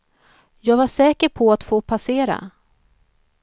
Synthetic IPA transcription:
jɑːɡvaʂɛːkəɾpʰɔat̪foːpʰaseːɾa̰

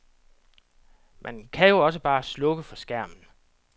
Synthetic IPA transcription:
mʔænkʰæjo̝ɒ̽s̬əb̥ɑ̈ːslɔ̽ɡ̥əfɒ̽sɡ̥æɐ̰mn̩

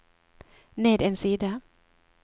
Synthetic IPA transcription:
neːt̪ɛnsida

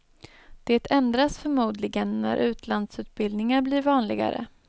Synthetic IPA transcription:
d̪̥eːt̪ʰɛnd̪ɾasfœɾmuːd̪lɪɡənːæ̰ɾʔʉ̟ːt̪ʰland̪sʉ̟ːt̪̚bɪld̪nɪŋaɾbliːɾvɑːnlɪ̰ɡa̰ɾə̰

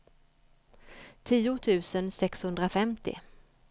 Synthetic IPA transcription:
t̪ʰiːʊt̪ʰʉ̟ːsənsɛkshɵnd̪ɾafɛmt̪ɪ̰

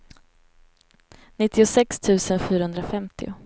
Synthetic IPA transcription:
nɪt̪ːɪʊsɛkst̪ʰʉ̟ːsənɧyːɾahɵnd̪ɾafɛmt̪ʰɪʊ̰

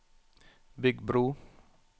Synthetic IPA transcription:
bɪɡbɾuː

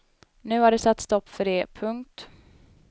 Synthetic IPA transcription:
nʉ̟ːaɖɛsat̪ːst̪ɔpːfœɖɛpʰɵŋk̚t̪

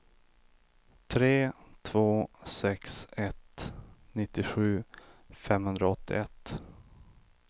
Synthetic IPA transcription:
t̪ʰɾeːt̪ʰvoːsɛksɛt̪nɪt̪ːɪɧʉ̟ːfɛmhɵnd̪ɾaɔt̪ːɪ̰ɛt̪ː

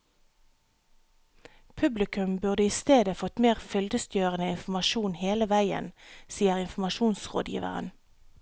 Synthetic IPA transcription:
pʰʉblɪkʉmbʉʁd̪əiːst̪eːd̪əfɔt̪meːʁfʏld̪əst̪jøːʁənəɪnfm̩ɑʃuːnheːləʋæɪə̰nsiːəʁɪnfmɑʃuːnsʁo̰ːd̪jḭːʋə̰ʁə̰n

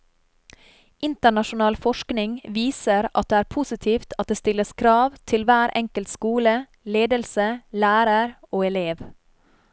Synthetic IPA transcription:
ʔɪnt̪əɳɑʃʊnɑːlfɔʃknɪŋʋiːsəɾʔɑ̰t̪̚d̪eːæːɾpʰʊsɪt̪ʰiːft̪ʰɑt̪̚d̪eːst̪ɪləskʰɾɑːʋt̪ʰɪlʋæːɾɛ̰ŋkəlt̪skuːlə | leːd̪əlsəlæːɾəɾ | oːɛleːʋ

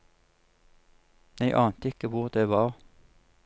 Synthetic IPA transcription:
æɪʔɑːnt̪ɪkəʋʊʁd̪eːʋɑːʁ

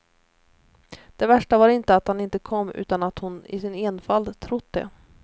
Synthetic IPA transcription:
d̪̥ɛvæʂʈavaɾɪnt̪əat̪hanɪnt̪əkʰɔmːʉ̟̰ːt̪anat̪hʊnɪ̰sɪneːnfald̪t̪ʰɾʊt̪̚ːd̪ɛ̰

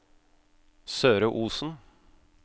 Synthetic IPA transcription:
søːɾəʔuːsn̩

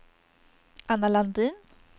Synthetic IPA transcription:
analand̪in

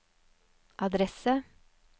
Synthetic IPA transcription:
ʔɑd̪ɾɛsə

